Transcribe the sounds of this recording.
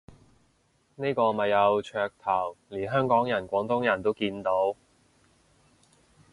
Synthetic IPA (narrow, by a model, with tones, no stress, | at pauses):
ne˥jkɔː˧mɐ˨jːɐ˨˧wt͡ʃʰœː˧k̚t̪ʰɐ˨˩wliː˨˩ɦœː˥ŋkɔː˨˥ŋjɐ˨˩nkʷɔː˨˥ŋt̪ʊ˥ŋjɐ˨˩nt̪o˥wkiː˧nt̪o˨˥w